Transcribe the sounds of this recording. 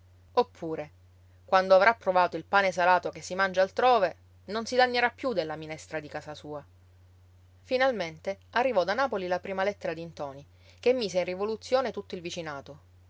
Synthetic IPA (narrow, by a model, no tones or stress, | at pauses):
opʰːuːɾe | kwand̪oavɾapːɾovaːt̪oilpaːnesalaːt̪okesːimand͡ʒaːlt̪ɾoːve | nonsilaɲːeɾapːjud̪elːaminɛst̪ɾad̪ikaːsasuːa | finalment̪earːivɔd̪anaːpolilapɾiːmalɛt̪ːeɾad̪int̪ɔːni | kemːiːseinrivolut̪sːjoːnet̪ut̪ːoilvit͡ʃinaːt̪o